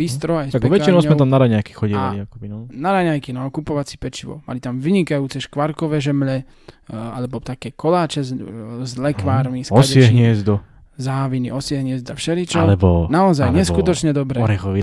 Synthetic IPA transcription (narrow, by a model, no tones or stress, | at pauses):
b̥ist̪ɾɔajsaɡkpɔʋɛkt͡ʃinɔʊzmɛt̪amnaɾaɲajki̥xɔɟialiakɔbinɔnaɾaɲajkinɔkupɔʋat͡sipɛt͡ʃiʋɔ̰ma̰lit̪amʋiɲikajuːt͡sɛʃkʋaɾkɔʋɛːʒɛmʎɛ | alɛbɔt̪akɛːkɔlaːt͡ʃɛzzlɛkʋaːɾmisɔdsɛɪɛɦɲɪɛzd̪ɔ | zaːʋiniʔɔsɪɛɦɲɪɛzd̪afʃɛlit͡ʃɔlɛbɔnaɔzajɲɛskut̪ɔt͡ʃɲɛd̪ɔbɾɛːɔɾɛxɔʋi